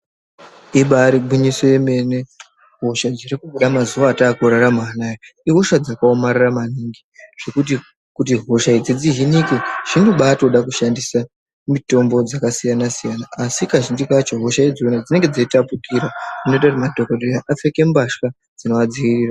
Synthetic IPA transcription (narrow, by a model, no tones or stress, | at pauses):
iɓaɾiɓiɲiso̞je̞me̞ne̞ | ɦo̞ʃad͡zirikuɓuɗamazuʋaːtaːkuɾaɾamaaːnaːjoiɦo̞ʃad͡zakaomariramaniŋɡiʐ̥e̞kut̬i | kut̬iɦo̞ʃaid͡zid͡ziɦinikeʐ̥inoɓato̞ɗakuʃandisa | mito̞mbo̞d͡zakasijanasijanaːsikaʒindikat͡ʃoɦoʃaid͡zionad͡zine̞ŋɡe̞d͡zaitapukiɾarino̞itarimadʱokodojaʔafe̞ke̞mbaʃka | d͡zino̞ʋad͡ziʋiriːra